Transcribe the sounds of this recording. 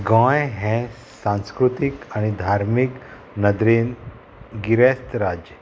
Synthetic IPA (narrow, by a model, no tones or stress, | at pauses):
ɡɔ̃jɦɛ̃ | sãñskɾut̪ikaɽ̃id̪ʱaɾmik | nəd̪ɾen | ɡiɾɛst̪ɾad͡ʑ